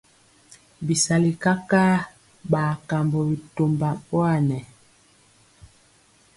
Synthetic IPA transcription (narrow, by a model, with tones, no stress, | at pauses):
bi˨sa˨li˨ka˦ka˦ | ɓa˨ka˨mbɔ˨bi˨to˨mba˨pwa˦˨nɛ˨